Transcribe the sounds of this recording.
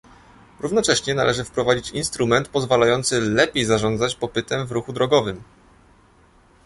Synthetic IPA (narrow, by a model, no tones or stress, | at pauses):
ɾuvnɔt͡ʂɛɕɲɛna̰lʔɛʐɘfpɾɔvad͡ʑit͡ɕinst̪ɾumɛnt̪pɔzvalajɔnt̪sɘlɛpʲjejzaʐɔnd̪zat͡ɕpɔpɘt̪ɛmvɾuxud̪ɾɔɡɔvɘm